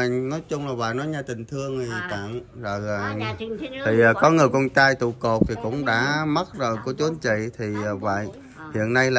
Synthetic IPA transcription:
ŋnɔ˨˦jt͡ɕʊ˧ŋ͡mlaː˨˩va̰ː˧˨jnɔ˨˦jɲaː˨˩t̪ï˨˩ŋ̟t̪ʰɨ˧əŋi˨˩˨t̪a̰˧˨ŋzəː˨˩jt̪ʰiː˨˩˨kɔ˨˦ŋɨ˨˩əjkɔ˧nt͡ɕaː˧jt̪ṵ˧˨ko˨˩p̚t̪ʰi˨˩kʊ̰˧˥ŋ͡mɗa̰ː˧˥ma˦˥t̚zo˨˩jku˧˩ət͡ɕu˨˦ənt͡ɕḭ˧˨t̪ʰiː˨˩˨va̰ː˧˨j | hḭ˧˨ənːa˧jla˨

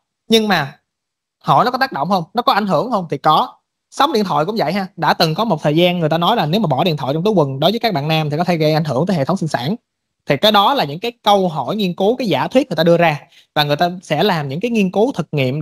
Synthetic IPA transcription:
ɲɨ˧ŋmaː˨˩ | ho̰˧˩jnɔ˨˦kɔ˨˦t̪aː˦˥ɗo̰˧˨wŋ͡mhə˧wŋ͡mnɔ˨˦˥kɔ˨˦ʔa˧˩ŋɦɨ˧˩əŋhə˧wŋ͡mt̪ʰi˨˩kɔ˨˦ | sa˨˦wɗḭ˧˨ənt̪ʰw̰jkʊ̰˧˥ŋ͡mvə̰˧˨jɦaː˧ɗa̰ː˧˥t̪ɨ˨˩ŋkɔ˨˦mo˨˩t̚t̪ʰəː˨˩jzaː˧nŋ˨˩ət̪aː˧nɔ˨˦jlaː˨˩ne˨˦wmaː˨˩ɓɔ˧˩ɗḭ˧˨ət̪ʰwɔ̰˧˨jt͡ɕɔ˧ŋ͡mt̪ːjkwə˨˩nɗo˨˦jvəː˦ka˦˥k̚ɓa̰ː˧˨naː˧mt̪i˨˩kɔ˨˦t̪ʰɣə˧jʔa˧˩jŋ̟ɦɨ˧˩əŋt̪əː˨˦je˧˨˩tʰə˦wŋ͡msi˧nsa̰ː˧˥˨n | t̪ʰi˨˩kaː˨˦jɗɔ˨˦laː˨˩ɲɨ̰˧˥ŋkaː˨˦jkə˧wɦɔ˧˩˨jŋi˧ənku˨˦kaː˨˦jzaː˧˩t̪wi˦˥t̚ŋ˨˩t̪aː˧ɨ˧əzaː˧ | vaː˨˩ŋɨ˨˩jt̪aː˧sɛ̰˧˥laː˨˩mɲɨ̰˧˥ŋkaː˨˦jŋi˧ənku˨˦t̪ʰɨ˨˩k̚ŋḭ˧˨əm

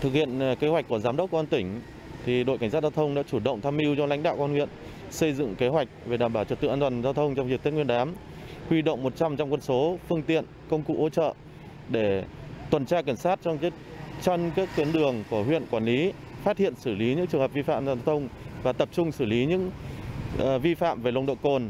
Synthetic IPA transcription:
t̪ʰɨ˨˩k̚hḭ˧˨ənke˨˦wa˨˩k̟kːu˧˩əzaː˨˦mɗə˦˥k͡p̚kːt̪ï˩ŋ̟ | t̪ʰi˨˩ɗo̰˧˨jka˧˩ŋ̟sa˦˥zaː˧wt̪ʰə˧wŋ͡mɗa̰ː˧˥t͡ɕu˧˩ɗə̰˧˨wŋ͡mt̪ʰaː˧mʔi˧wt͡ɕɔ˧la̰˧˥jŋ̟ɗa̰ː˧˨wkːnŋwḭ˧˨ən | sə˧jzɨ̰˧˨ŋke˨˦ɦwa˨˩jk̚ve˨˩ɗaː˧˩mɓaː˧˩wt͡ɕwə˨˩t̪ɨ̰˧ʔːt̪waː˨˩nzaː˧wt̪ʰə˧wŋ͡mt͡ɕɔ˧wŋ͡mzi˨˩k̪̚i˨˦˥ŋwənɗaː˨˦m | hwi˧ɗə̰˧˨wŋ͡mmo˨˩t̚t͡ɕa˧mt͡ɕɔ˧wŋ͡mkwə˧nso˨˦fɨ˧əŋt̪ḭ˧˨ənkə˧wŋ͡mkṵ˧˥ʔo̰˧˥t͡ɕə̰ː˧˨ | ɗe˧˩t̪wə˨˩nt͡ɕaː˧ke˧˩ŋ̟saː˦˥t̚t͡ɕɔ˧ŋ͡m | t͡ɕɔ˧nkaː˦˥k̚ki˨˦ənɗɨ˨˩əŋku˧˩əɦwḭ˧˨ənkwaː˧˩nli˨˦ | faː˦˥t̚hḭ˧˨ənsɨ˧˩li˨˦ɲɨ̰˧˥t͡ɕɨ˨˩əŋɦə˨˩p̚vi˧fa̰ː˧˨mza˧za˧t̪ʰə˧wŋ͡mvaː˨˩t̪ə˨˩p̚t͡ɕʊ˧ŋ͡msɨ˧˩li˨˦ɲɨ̰˧˥ŋ˨ | vi˧fa̰ː˧˨mve˨˩lə˧˩wŋ͡mɗo̰˧˨ko˨˩n

